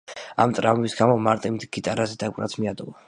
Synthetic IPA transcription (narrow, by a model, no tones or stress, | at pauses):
a̰mt̪ʼɾavumisɡamɔmaɾt̪ʼimd̪ɡ̥it̪ʼaɾazɛd̪akʼɾa̰t̪sʰmiad̪ɔva